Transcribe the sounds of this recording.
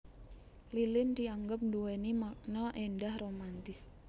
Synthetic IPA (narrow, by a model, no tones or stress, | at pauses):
lilɪndiaŋɡʊp̚nduwenimanɔʔendahromant̪ɪs